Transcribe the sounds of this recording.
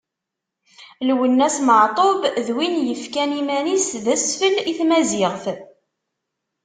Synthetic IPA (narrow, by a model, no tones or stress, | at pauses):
lwənːæsməʕt̪ˤobðwinjəfkænimænisðæsfəliθmæzɪʁθ